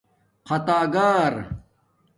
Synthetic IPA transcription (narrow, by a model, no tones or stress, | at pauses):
qʰɐt̪aːɡaːɾ